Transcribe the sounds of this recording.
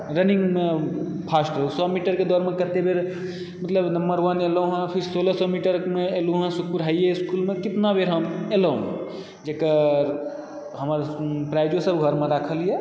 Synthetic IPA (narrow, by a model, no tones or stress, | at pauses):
ɾəniŋɡme | pʰasʈəusɔmiʈəɾked̪ɔɾmekət̪ebeɾ | mət̪ləbnəmbəɾʋəneloɦãpʰiɾsolɔsɔmiʈəɾmeeluɦãsukpuɾɦajjeiskulmekit̪nabeɾɦəmeləṵ̃ | d͡ʒekəɾ | ɦəməɾpɾajd͡ʒosəbɡʱəɾmeɾakʰəlije